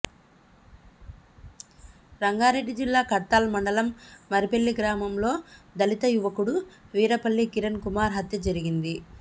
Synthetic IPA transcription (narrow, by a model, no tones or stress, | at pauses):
ɾɐŋɡaːɾeɖːid͡ʒilːaːkɐɾt̪aːlmɐɳɖɐlɐmːɐɾipelːiɡɾaːmɐmlo̞ːd̪ɐlit̪ɐjuʋɐkuɽuʋiːɾɐpɐɭːikiɾɐnkumaːɾɦɐt̪jɐd͡ʒɐɾiɡind̪i